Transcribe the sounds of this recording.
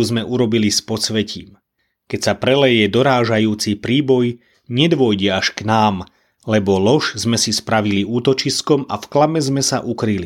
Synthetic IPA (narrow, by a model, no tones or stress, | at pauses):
uzmɛʔuɾɔbilispɔsʋɛcḭːm | kɛcsapɾɛlɛjɛd̪ɔɾaːʒajuːt͡sipɾiːbɔj | ɲɛd̪ʋʊɔjɟɛaʃknaːm | lɛbɔlɔʃzmɛsispɾaʋiliuːt̪ɔt͡ʃiskɔma̰fklamɛzmɛsa̰ʔukɾili